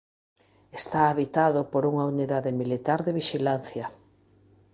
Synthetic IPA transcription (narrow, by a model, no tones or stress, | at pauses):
est̪aːβit̪aðʊpoɾuŋauniðaðɪmilit̪aɾðeβiʃilan̟θjɐ